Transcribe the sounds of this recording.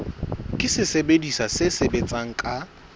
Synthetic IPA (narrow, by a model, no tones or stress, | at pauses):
kʼɪsɪsebedisasɪsebet͡sʼaŋ̩kʼa